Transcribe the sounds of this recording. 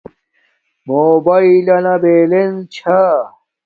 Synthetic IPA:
moːbɐilɐnɐbeːlent͡ɕʰa

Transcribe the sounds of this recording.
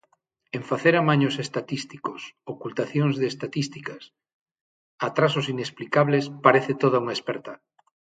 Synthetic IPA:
ẽɱfaθeɾamaɲosest̪at̪ist̪ikosokult̪aθjoŋzðeːst̪at̪ist̪ikas | at̪ɾasosinesplikaβlespaɾeθet̪oðauŋaespeɾt̪a

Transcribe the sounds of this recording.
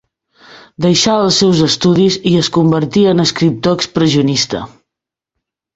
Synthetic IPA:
d̪əjʃaəlˠsːɛwzəst̪uðiziəskumbəɾt̪iənəskɾip̚t̪oəkspɾəziunist̪ə̰

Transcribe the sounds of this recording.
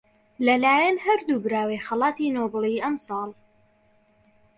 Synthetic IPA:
lɐlaːjɐnhɐɾd̪uːbɾaːwejxɐlɑːt̪inobliʔɐmsɑːlˠ

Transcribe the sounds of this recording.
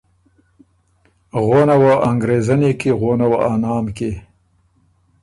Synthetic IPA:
ɣonawaʔaŋɡɾezanekeɣonawaɑnɑːmke

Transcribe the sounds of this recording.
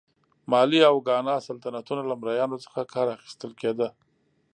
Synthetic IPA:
mɑliawɡɑnɑsalt̪anat̪unalamɾajɑnot͡sə̥xakʰɑɾaxi̥st̪əlked̪ə

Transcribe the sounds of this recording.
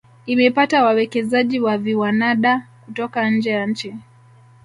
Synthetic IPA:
imɛpatawawɛkɛzaʄiwaviwanaɗakutɔkaɲ̩d͡ʒɛjaɲ̩t͡ʃi

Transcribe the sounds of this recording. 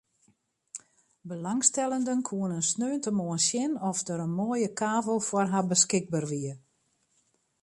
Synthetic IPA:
bəlaŋstɛlˠəndənkʰuənənsnøːntəmoənsjɪnɔfdəɾənmoːjəkʰaːvəlˠfwɔrɦabəskɪɡ̚barʋiər

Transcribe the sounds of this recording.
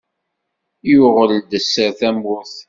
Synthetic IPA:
jʊʁələd̪əsːəɾθæmʊθ

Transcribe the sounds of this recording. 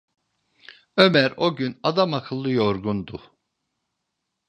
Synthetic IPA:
ø̞mæɾo̞ɟynad̪amakʰɯlˠːɯjoɾɡund̪u

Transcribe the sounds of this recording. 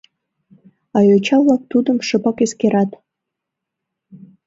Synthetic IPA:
ɑjot͡ɕɑvlɑk̚t̪ud̪əmʃə̆pɑkeskeɾɑt̪

